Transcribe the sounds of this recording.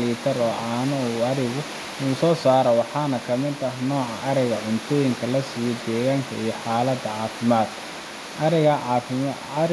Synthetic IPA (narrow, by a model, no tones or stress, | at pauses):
liːt̪ʰɐrɔːʔaːnɐuːɐɾɪɣʊ | nuːsɔːsaːɾɐwɑħɑːnɐkʰɐmɪd̪ɐɦnɔːʕɑʔɐɾɛɣɐʕʊnt̪ʰɔːjɪŋkʰɐlɐsiːjɔd̪ɛːɣaːŋkʰɐijɞħɑːlɐd̪ɐʕɑːfɪmaːd̪ʰ